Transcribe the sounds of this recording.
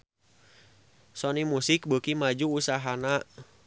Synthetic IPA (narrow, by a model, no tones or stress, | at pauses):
sɔnimusik̚bukimad͡ʒuːsaɦana